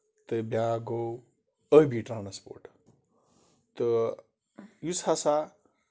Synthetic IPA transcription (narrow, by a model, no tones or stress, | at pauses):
t̪ɨbjaɡow | əbiʈɾanspo̰ɾʈ | t̪ɨ | jusasa